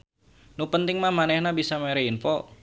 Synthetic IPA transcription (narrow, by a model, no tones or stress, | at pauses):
nupənt̪ɪŋmahmanɛhnabisameɾeinfɔ